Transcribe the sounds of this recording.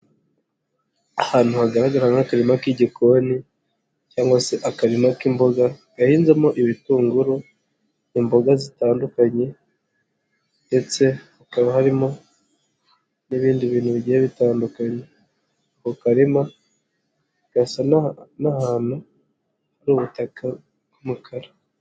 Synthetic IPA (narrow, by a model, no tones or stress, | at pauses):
ahaːn̥huhaɡaɾaɡaɾaŋakaɾimakiɟikoni | caːŋɡwase̞ʔakaɾimakimbo̞ɡaɡahiːnzemo̞ʔiβituːŋɡuɾu | imbo̞ɡazitaːndukaɲe̞ | nde̞t͡se̞ | akaβahaɾimo̞ | niβiːndiβiːnhuβiɟijeβitaːndukaɲe | kukaɾima | ɡasannahaːn̥u | haɾuːβutaka | ɡumukʰaɾa